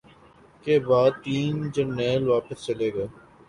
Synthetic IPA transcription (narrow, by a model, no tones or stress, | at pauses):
keːbaːd̪̚t̪iːnd͡ʒənːeːlʋaːpəst͡ʃɐleːɡɐː